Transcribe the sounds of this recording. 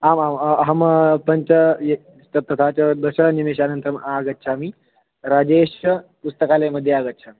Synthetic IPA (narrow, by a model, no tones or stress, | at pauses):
amamɦəmpəɲt͡ɕəe | t̪t̪ɐt̪ʰat͡ɕad̪əɕɾanimeɕanənt̪ɾəmaɡət̪ːɕʰami | ɾad͡ʑeɕəpust̪əkaleməd̪ʱːjeaɡət̪ːt͡ʃʰami